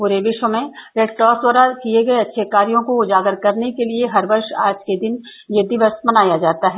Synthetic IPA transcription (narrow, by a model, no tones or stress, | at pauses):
puːɾeʋɪʃwəmẽɾeːʈ̚ʈɔːswəɾakieɡɐeɐtːʃʰekaːɾijõkoʊd͡ʒaːɡəɾkɐɾnekelieɦɐɾbɐɾʃa̰ːd͡ʒked̪ɪn | jed̪ɪʋəsmɐnaːjad͡ʒaːt̪aɦɛː